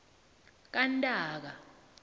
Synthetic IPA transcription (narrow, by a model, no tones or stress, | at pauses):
k̬ʼantʼaːk̬a